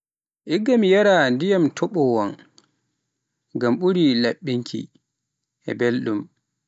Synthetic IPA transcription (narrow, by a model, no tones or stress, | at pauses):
ʔiɡːamijaɾandijamtʰɔɓɔwɔn | ɡamɓuɾilaɓːiŋkʰḭ | ʔɛ̰belɗum